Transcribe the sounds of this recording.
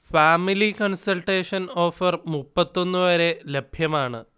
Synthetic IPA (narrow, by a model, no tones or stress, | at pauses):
faːmilikɐɳsɐlʈeːʂɐno̞ːfɐrmupːɐt̪ːo̞nːɨʋɐɾe̞lebʱjɐmaːɳɨ